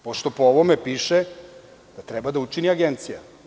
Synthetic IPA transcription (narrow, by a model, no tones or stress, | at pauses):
poʃt̪o̞pooʋomepiːʃe | d̪̥at̪ɾɛbad̪aut͡ʃiniaɡent̪sija̰